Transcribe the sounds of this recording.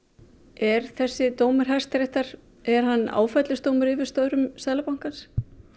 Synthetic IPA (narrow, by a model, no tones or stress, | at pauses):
ɛɾ̥θɛsːɪt̪oːwmʏɾ̥ɦɛst̪ɾɛht̪aɾ | ɛɾ̥hanːa̰ːwfɛt̪lɪst̪oːwmʏɾɪvɪ̥st̪œɥɾʏmsaːlapawŋ̥kans